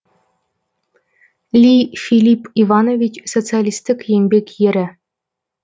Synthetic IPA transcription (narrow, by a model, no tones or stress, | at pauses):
lʲifʲilʲipiʋɑnovʲit͡ɕsot̪sɨalʲist̪ʲɘ̆kʲjenʲbʲekʲjɘ̆ɾʲɘ̆